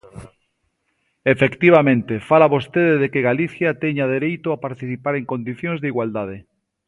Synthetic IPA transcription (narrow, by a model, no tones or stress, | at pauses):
efekt̪iβ̞amẽnt̪efalaβost̪eðeðekeɣaliθjat̪eɲað̞eɾejt̪oapaɾt̪iθipaɾeŋkõnd̪iθjõŋzðiɣwald̪að̞e